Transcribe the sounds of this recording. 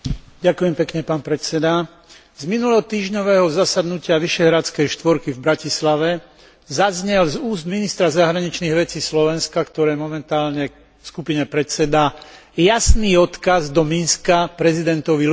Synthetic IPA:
ɟakujɛmpɛkɲɛpaːnpɾɛt͡sɛd̪a | zminulɛɦɔt̪iːʒɲɔʋɛːɦɔzasad̪nucɪaʋiʃɛɦɾat͡skɛjʃt̪ʋɔɾkivbɾacislaʋɛ | zazɲɛlzuːzd̪minist̪ɾazaɦɾaɲit͡ʃniːɣʋɛt͡siːslɔʋɛnskakt̪ɔɾɛːmɔmɛnt̪aːlɲɛ | fskupiɲɛpɾɛt͡sɛd̪a | jasniːɔt̪kazd̪ɔminskapɾɛzid̪ɛnt̪ɔʋi

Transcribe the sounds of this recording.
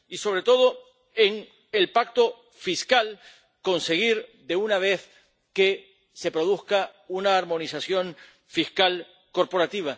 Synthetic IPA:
iso̞β̞ɾe̞t̪o̞ð̞o̞ | eŋ | elpak̚t̪o̞ | fiskal | ko̞nse̞ɣ̞iɾd̪e̞unaβ̞e̞θ | ke̞ | se̞pɾo̞ðuhkaunaːɾmõ̞nisasjo̞ɱ | fiskal | ko̞ɾpo̞ɾat̪iβ̞a

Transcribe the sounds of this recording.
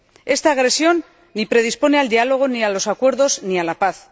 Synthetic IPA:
e̞st̪aːɣ̞ɾe̞sjo̞nː | ipɾe̞ð̞ispo̞ne̞ald̪ialo̞ɣ̞o̞nialo̞sakwe̞ɾðo̞znialapaθ

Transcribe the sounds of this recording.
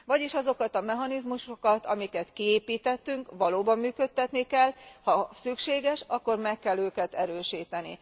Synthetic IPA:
vɒɟiʃɒzo̞kɒt̪ɒmɛɦɒnizmuʃokɒt̪ɒmikɛt̪kieːpiːt̪ɛt̪ːyŋkʋɒloːbɒmːyːkø̞t̪ːɛt̪nikɛlhɒsykʃeːɡɛʃɒkːo̞rmɛkːɛlːøːkɛt̪ɛɾøːʃiːt̪ɛnḭ

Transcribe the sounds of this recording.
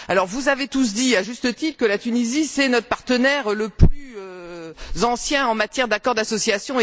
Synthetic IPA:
alɔʁvuzavet̪us̬d̪iaʒyst̪ət̪it̪χəkəlat̪ynizisɛnɔt̪χəpaʁt̪ənɛʁləplyøzɑ̃sjɛ̃ɑ̃mat̪jɛʁd̪akɔʁd̪asɔsjasjɔ̃e

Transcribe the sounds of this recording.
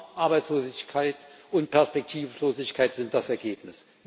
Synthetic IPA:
ʔaɐbaɪsloːzɪçkʰaɪtʔʊnt̚pʰɛɐspɛk̚tʰiːfloːzɪçkʰaɪtz̥ɪnt̚d̥asɛɐɡeːpnɪs

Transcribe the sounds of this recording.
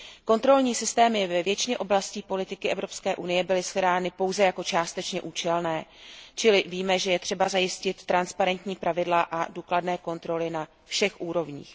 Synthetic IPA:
ko̞nt̪ɾo̞lɲiːsɪst̪ɛːmɪvɛvjɛt͡ʃɪɲɛʔo̞blasciːpo̞lɪt̪ɪkɪʔɛvɾo̞pskɛːʔunɪjɛbɪlɪsxɾaːnɪpo̞wzɛjako̞t͡ʃaːst̪ɛt͡ʃɲɛʔuːt͡ʃɛlnɛːt͡ʃɪlɪviːmɛʒɛjɛt̪r̝̥ɛbazajɪscɪt̪ːɾanspaɾɛnt̪ɲiːpɾʔavɪdlaʔaduːkladnɛːko̞nt̪ɾo̞lɪna | fʃɛxʔuːɾo̞vɲḭːx

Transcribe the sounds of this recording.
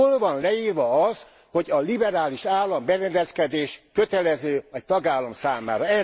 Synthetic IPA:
olvɒnlɛiːrʋɒɒs | hoɟɒlibɛɾaːliʃaːlːɒmbɛɾɛnd̪ɛskɛd̪eːʃkøt̪ɛlɛzøːɛc̚t̪ɒɡaːlːɒmsaːma̰ːɾɒɛ

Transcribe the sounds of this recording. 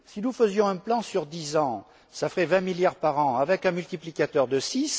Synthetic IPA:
sinufəzjɔ̃ɛ̃plɑ̃syʁd̪izɑ̃ | safəʁɛvɛ̃miljaʁpaʁɑ̃avɛkɛ̃mylt̪iplikat̪œʁd̪əsis

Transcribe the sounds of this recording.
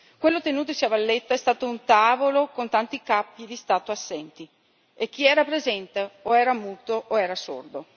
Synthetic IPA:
kwelːot̪enuːt̪̬osiavalːet̪ːaɛst̪aːt̪ount̪aːvolokont̪ant̪ikapːid̪ist̪aːt̪oasːɛnt̪i | ek̟ːiɛːɾapɾezɛnt̪eoɛːɾamuːt̪oʔoɛːɾaso̰rd̪o

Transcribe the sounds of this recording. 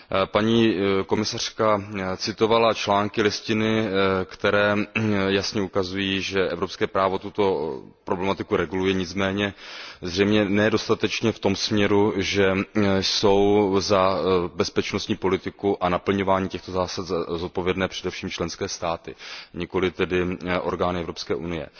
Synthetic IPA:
paɲiːko̞mɪsar̝̥kat͡sɪt̪o̞valat͡ʃlaːŋkɪlɪscɪnɪkt̪ɛɾɛːjasɲɛukazujiːʒɛʔɛvɾopskɛːpɾaːvo̞t̪ut̪o̞ | pɾo̞blɛmat̪ɪkuɾɛɡulujɛɲɪt͡smɛːɲɛzrɛjmɲɛnɛdo̞st̪at̪ɛt͡ʃɲɛft̪o̞msmɲɛɾuʒɛso̞wzabɛspɛt͡ʃnost̪ɲiːpo̞lɪt̪ɪkuʔanapl̩ɲo̞vaːɲiːcɛxt̪o̞zaːsat̪zo̞t̪̚po̞vjɛdnɛːpr̝̥ɛdɛfʃiːmt͡ʃlɛnskɛːst̪aːt̪ɪɲɪko̞lɪt̪ɛdɪʔo̞̰ɾɡaːnɪɛvɾo̞pskɛːʔunɪjɛ̰

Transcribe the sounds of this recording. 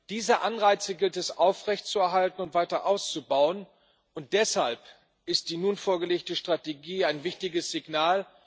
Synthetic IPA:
d̥iːzɐʔanʁaɪt͡səɡɪltɛsʔaʊfʁ̥ɛçtt͡suɛɐɦaltn̩ʊntv̥aɪtɐʔaʊst͡subaʊən | ʔʊnt̚d̥ɛshalp | ʔɪst̚d̥iːnunfoːɐɡəleːktəʃtʁ̥ateɡiːaɪnvɪçtɪɡəsz̥ɪɡnaːl

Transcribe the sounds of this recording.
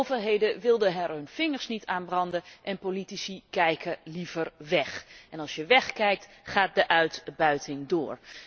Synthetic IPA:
wvərɦejdəʋɪlˠdəɦɛɹɦɵnfɪŋəɹsnitaːnbrɑndəʔɛnpolitisikɛjkʰəlivəɹʋɛχɛnɑlˠsjəʋɛχkɛjk̚t | χaːt̚dəʔœɥtbœɥtɪŋdʊːɹ

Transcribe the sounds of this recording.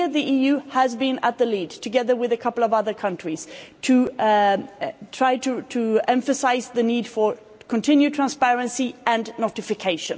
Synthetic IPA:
ðiʔijʉhəzbĩnət̪̚ðəlidtʰɨɡɛðə˞wɪðɨkʰʌpl̩ˠʌvʌðə˞kʰʌ̃ntɹ̥iz̥tʰɨ | tʰɹ̥aɪɾɨtʰɨɛ̃ɱfɨsaɪzðɨnid̥fə˞ | kʰə̃ntʰɪ̃njʉtʰɹ̥æ̃nspɛɹɨ̃nsiɨ̃nnoɾɨfɨkʰeɪʃɨ̰̃n

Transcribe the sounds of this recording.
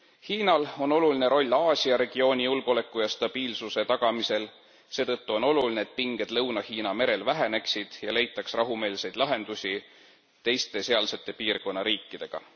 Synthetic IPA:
hiːnɑlo̞no̞luline̞ɾo̞lʲːɑːsʲiɑɾe̞ɡ̥io̞ːnʲijulɡ̥o̞le̞kːˑujɑst̪ɑb̥iːlsuse̞t̪ɑɡ̥ɑmise̞l | se̞ːt̪ɤ̞t̪ːuo̞no̞lulineːt̪̚piŋɡ̥e̞d̪̥lɤwnɑhiːnɑme̞ɾe̞lvæɦe̞ne̞ksid̪̥jɑle̞jt̪ːˑɑksrɑɦume̞ːlse̞jd̪lɑɦe̞nd̪̥usʲi | t̪e̞jst̪e̞se̞ɑlse̞t̪ːˑe̞piːrko̞nːɑɾiːkːid̪̥e̞ɡ̥ɑ̰

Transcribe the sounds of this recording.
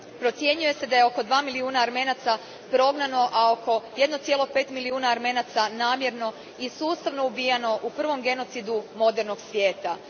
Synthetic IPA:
pɾo̞t̪sje̞ɲuje̞se̞d̪ajeo̞ko̞d̪ʋaːmiliuːnaːɾme̞ːnat̪sa | pɾo̞ɡnano̞ʔao̞ko̞je̞d̪no̞t̪sje̞lˠo̞pe̞ːt̪miliuːnaːɾme̞nat̪sanaːmje̞ɾno̞ | isuːst̪aʋno̞ubijano̞ʔupr̩ʋo̞mɡe̞no̞t̪sid̪umo̞d̪e̞ɾno̞ɡsʋje̞ːt̪a

